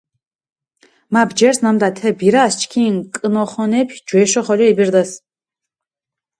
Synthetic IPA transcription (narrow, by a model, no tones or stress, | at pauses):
mabd͡ʒɛɾsnamd̪at̪ʰɛbiɾast͡ʃʰkʰinkʼnɔχɔnɛpʰd͡ʒwɛʃɔχɔliɛbiɾd̪as